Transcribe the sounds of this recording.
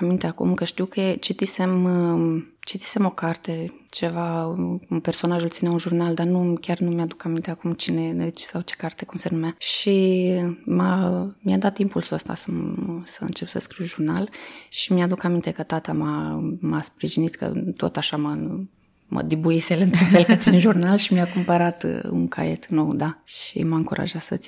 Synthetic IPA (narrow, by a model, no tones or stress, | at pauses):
amint̪eakṵmkəʃt̪iwket͡ʃit̪ise̞m | t͡ʃit̪i̥se̞mo̞kart̪e̞t͡ʃe̞vakumpe̞rso̞naʒult̪sineunʒurnald̪anukʲarnumjad̪ukamint̪e̞akumt͡ʃine̞t͡ʃsawt͡ʃe̞̥kart̪e̞kumsenumaʃi | mamjad̪at̪ːimpulsəst̪a̰səsəɨ̰nt͡ʃe̞psə̰skɾiwʒurnalʃimiad̪ukamint̪e̞kət̪at̪amamaspɾiʒinit̪kə̰t̪o̞̰t̪aʃamə | mə̰d̪ibuiselɨnt̪unfelkət̪sinʒurnalʃimiakumpəɾat̪ɨ̰ṵŋkʰa̰e̞̰t̪no̞wd̪aʃḭmaɨŋkuɾʔa̰ʒat̪sə̰t̪si